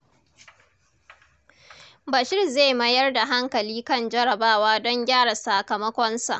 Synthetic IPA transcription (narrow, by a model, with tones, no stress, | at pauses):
bɐ˨ʃɪ˦rzeː˦˨mɐ˦jɐ˦rda˨ɦa˦ŋkɐ˨liː˦kɐ˦nd͡ʒɐ˦ɽɐ˨baː˦waː˦dɔ˦ŋɡʲaː˦ɽa˨saː˨kɐ˨mɐ˦kʷɔ˦nsa̰˨ʔ